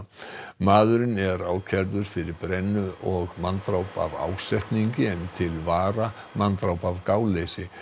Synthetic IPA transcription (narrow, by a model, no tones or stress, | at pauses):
maːðʏɾɪnɛɾaːwcʰɛɾðʏɾ̥fɪɾɪɾpɾɛnːʏɔɣmant̪ɾawpa̰va̰ːwsɛht̪niɲcɪɛnt̪ʰɪlvaːɾa | mant̪ɾawpavkaːwlejsɪ